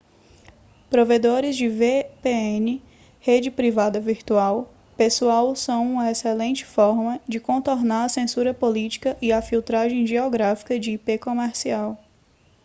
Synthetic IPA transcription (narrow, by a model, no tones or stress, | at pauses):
pɾoved̪oɾɪzd͡ʒɪvepeenɪ | hed͡ʒɪpɾivad̪ɐviɾt̪uaw | pesuawsɐ̃w̃ũmɐeselẽnt͡ʃɪ̥fɔɾmɐd͡ʒɪkõnt̪oɾnaɾɐsẽsuɾɐpolit͡ʃi̥kɐʔɪafiwt̪ɾaʒẽj̃ʒeɔɡɾafi̥kɐd͡ʒɪːpekõmɛɾsiaw